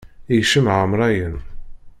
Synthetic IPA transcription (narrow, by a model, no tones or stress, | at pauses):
iʃəmʕəmɾˤɑjən